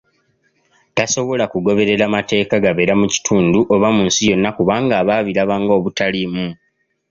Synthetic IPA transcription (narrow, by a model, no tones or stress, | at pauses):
taso̞βo̞lakuɡo̞βe̞ɾe̞ɾamate̞ːkaɡaβe̞ːɾamuci̥tʰuːnduʔoβamuːnsijo̞nːakuβaːŋɡaːβaːβilaβaŋɡo̞ːβutalimu